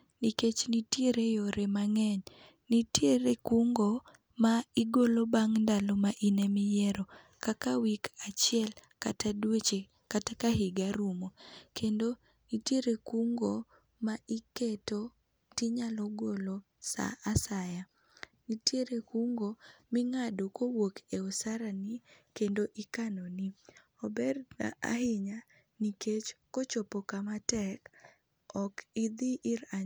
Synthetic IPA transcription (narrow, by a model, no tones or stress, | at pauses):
niket͡ʃnitjeɾejoɾemaŋɛɲ | nitjeɾekuŋɡo | maiɡolobaŋndalɔmaʔinemɪjɛɾo | kakawikat͡ʃɪɛl | katadwet͡ʃe | katakaɦiɡaɾumokʰendo | nitjeɾekuŋɡo | maʔiketo | tiɲalɔɡolo | sa̰ːsaja | nitjeɾekuŋɡomiŋadokowokeɔsaɾanikendoʔikanoni | obɛrda̰ʔa̰hɪɲa | niket͡ʃkot͡ʃopokamatɛk | ɔkid̪iʔːɾa